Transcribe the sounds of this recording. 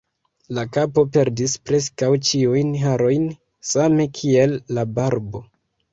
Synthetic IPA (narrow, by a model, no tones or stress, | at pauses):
lakapo̞pe̞ɾdispɾe̞s̬kawt͡ʃiujnɦaɾo̞jn | same̞kʰie̞lːabaɾbo̞